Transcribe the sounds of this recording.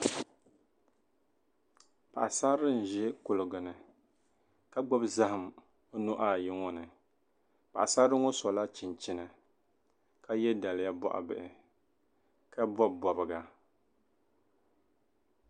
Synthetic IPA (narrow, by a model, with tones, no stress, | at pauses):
pa˨ʔa˨sa˦ɾɨ˦n̩˨ʒɛ˦kʊ˨lɨ˨ɡɨ˨nɨ˨ | ka˦ɡ͡bɔ˦bza˦hɨ˨m | o˦nu˦ʔa˦˨jɪ˦ŋɔ˦nɨ˨ | pa̰˨ʔa˨sa˦ɾɨ˦ŋo˦sɔ˨la˦t͡ʃɪ˨nt͡ʃɪ˦nɨ˨ | ka˦jɛ˦da˨lɪ˨˦ja˦bɔ̰˦ʔa̰˨bɨ˨ʔɪ˨ | ka˦bɔ˦bbɔ˨bɨ˨ɡa˨